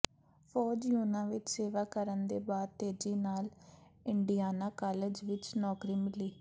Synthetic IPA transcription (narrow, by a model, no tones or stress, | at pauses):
pʰɔːd͡ʒjuːnãːʋɪt͡ʃseːʋaːkəɾənd̪eːbaːd̪̚t̪eːd͡ʒiːnaːlɪɳɖijaːnãːkaːleːd͡ʒʋɪt͡ʃnɔːkɾiːmɪliː